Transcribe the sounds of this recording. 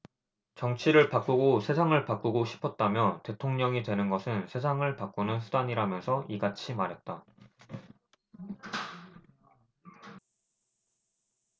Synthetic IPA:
t͡ɕʌŋt͡ɕʰiɾɯɭpak͈uɡosʰe̞sʰaŋɯɭpak͈uɡoɕʰi̥pʰʌt̚t͈amjʌte̞tʰoŋɲʌŋitwe̞nɯnɡʌsʰɯnsʰe̞sʰaŋɯɭpak͈unɯnsʰudaɲiɾamjʌnsʰʌiɡat͡ɕʰimaɾɦe̞t̚t͈a

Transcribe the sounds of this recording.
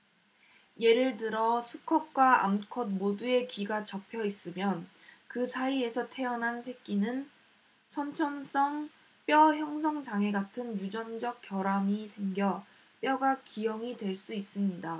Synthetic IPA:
je̞ɾɯɭtɯɾʌsʰukʰʌp̚k͈waa̰mkʰʌd̚modue̞kiɡat͡ɕʌpʰjʌis͈ɯmjʌn | kɯsʰaie̞sʰʌtʰe̞ʌnɦansʰe̞k̚k͈inɯn | sʰʌnt͡ɕʰʌns͈ʌŋ | p͈jʌçjʌŋsʰʌŋd͡ʑaŋe̞ɡatʰɯnjud͡ʑʌnd͡ʑʌk̚k͈jʌɾaŋisʰe̞ŋɡjʌ | p͈jʌɡak͈ijʌŋidwe̞ɭs͈uis͈ɯmɲida

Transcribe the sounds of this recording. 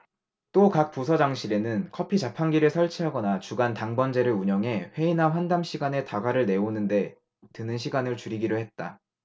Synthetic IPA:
t͈okak̚p͈usʰʌd͡ʑaŋɕʰiɾe̞nɯnkʰʌpʰit͡ɕapʰanɡiɾɯɭsʰʌɭt͡ɕʰiɦaɡʌnat͡ɕuɡantaŋbʌnd͡ʑe̞ɾɯɭuɲʌŋɦe̞ɸwe̞inaɸwandamɕʰiɡane̞taɡaɾɯɭne̞onɯnde̞ | tɯnɯnɕʰiɡanɯɭt͡ɕuɾiɡiɾohe̞t̚t͈a

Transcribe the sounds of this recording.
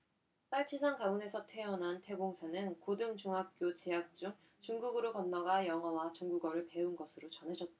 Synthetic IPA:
p͈aɭt͡ɕʰisʰaŋkamune̞sʰʌtʰe̞ʌnɦantʰe̞ɡoŋsʰanɯnkodɯŋt͡ɕuŋɦak̚k͈jot͡ɕeak̚t͡ɕ͈uŋ | t͡ɕuŋɡuɡɯɾokʌnːaɡajʌŋɦʌwat͡ɕuŋɡuɡʌɾɯɭpe̞unɡʌsʰɯɾot͡ɕʌnɦad͡ʑʌt̚t͈a

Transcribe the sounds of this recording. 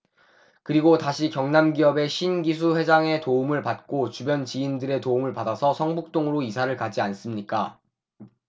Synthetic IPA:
kɯɾiɡotaɕʰikjʌŋnamɡiʌbe̞ɕʰinɡis̬ʰuɸwe̞d͡ʑaŋe̞toumɯɭpat̚k͈ot͡ɕubjʌnt͡ɕiindɯɾe̞toumɯɭpadasʰʌsʰʌŋbuk̚t͈oŋɯɾoisʰaɾɯɭkad͡ʑians͈ɯmɲik͈a

